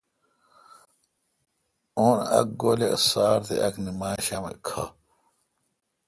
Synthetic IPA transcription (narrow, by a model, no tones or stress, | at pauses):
onɐ̰k̚ɡoːlesaːɾt̪ḛʔɐknimaːɕɐmḛkʰa̰